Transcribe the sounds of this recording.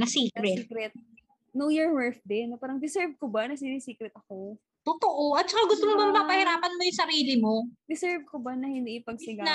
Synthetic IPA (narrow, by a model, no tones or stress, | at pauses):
nɐsiːkɾɛkɾɛt̪̚ | nojɔɹwɛɹfd̪ɪnːpaːɾɐŋd̪ɪsɛɹv̚kobanɐsɪnɪsiːkɾɛt̪̚ɐko | t̪ot̪oʔoʔɐt̪̚t͡ʃɐkaɡʊst̪omobamɐpapɐhɪɾaːpɐnmojʊŋsɐɾiːlɪmod̪ɪsɛɹv̚kobɐnɐhɪnd̪ipɐɡsɪɡa